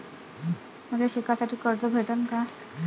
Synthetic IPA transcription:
m̤əɡʱleɕekasaʈʰiːkəɾt͡səbʱeʈənka

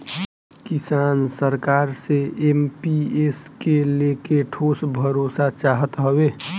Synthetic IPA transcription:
kisaːnsəɾkaːɾseempieskelekeʈʰoːsbʱəɾosat͡ʃaɦət̪ɦəbe

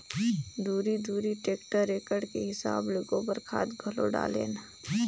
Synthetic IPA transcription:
d̪uːɾid̪uːɾiʈeːkʈəɾːeːkəɾɖkeɦɪsa̰ːbloːɡõbɐɾkʰaːt̪bʱɐlo̰ɖa̰ːlḛːna

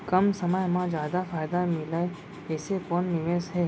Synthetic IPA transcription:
kɐmsɐməjmãd͡ʒjaːd̪afaːjd̪amɪlae | ɛːsekɔnːɪʋeːsɦɛː

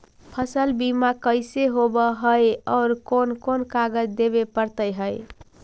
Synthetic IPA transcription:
pʰəsəlbimakəɪseɦobəɦəjɔʊɾkonkonkaɡəd͡ʒd̪ebepəɾt̪əjɦəj

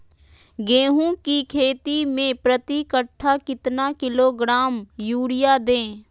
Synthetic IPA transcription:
ɡeːɦũːkiːkʰeːt̪iːmẽːpɾət̪iːkəʈʰːaːkɪt̪naːkɪloːɡɾaːmjuːɽɪjaːd̪ẽː

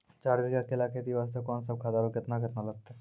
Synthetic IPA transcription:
t͡ʃaːɾdikakelakʰet̪iʋaːst̪əkɔːnsəb̚kʰaːd̪aːɾokɪt̪nakɪt̪nalɐɡ̚t̪a

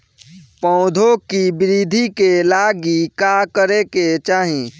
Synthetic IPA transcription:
pɔ̃ʊd̪ʱokibɪɾiːd̪ʱikelaːɡikakəɾeket͡ʃaːɦĩ

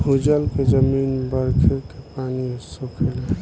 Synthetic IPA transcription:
hud͡ʒəlked͡ʒəmiːnbəɾkʰkepaːnisokʰel

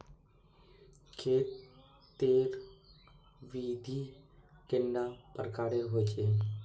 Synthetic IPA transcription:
kʰeːt̪ | t̪eɾ | ʋid̪ʱikeɳɖapəɾkaːɾeɦot͡ʃʰe

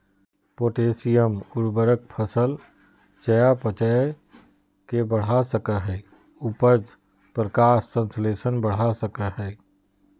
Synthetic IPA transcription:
poːʈeːsijəmʊɾbəɾək̚pʰəsəl | t͡ʃəjapət͡ʃə | kebəɽ̤asəkəɦɛː | ʊpəd͡ʒ | pɾəkaːʃsə̃nsleːsənbəɽ̤asəkəɦɛː

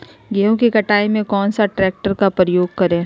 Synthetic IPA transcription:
ɡɛɦõkikɐʈaːimẽkɔːnsaʈɾɛːk̚ʈəɾkapɾəjoːɡ̚kɐɾẽː

